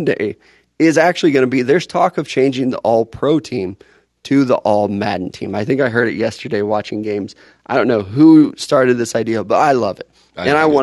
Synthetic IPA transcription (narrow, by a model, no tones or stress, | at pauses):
dḛɪ | ɪzæk̚t͡ʃʉl̩ˠiɡʌnɨbiðə˞z̥tʰɔkʌv̥t͡ʃʰẽɪ̃nd͡ʒɪ̃ŋðḭʔɔlˠpʰɹ̥oʊtʰĩm | tʰɨðḭʔɔlˠmæ̰dⁿn̩tʰḭ̃maɪθɪ̃ŋkaɪɦɜ˞ɾɨ̰ʔ̚jɛstə˞deɪwɑt͡ʃɪ̃ŋɡẽɪ̃mz̥ | aɪdõʊ̃nːoʊɦustɑɹɾɨd̪̚ðɪsaɪdiəbʌɾaɪlʌvɨt̚ | ɨ̃ɾ̃aɪwɑ̃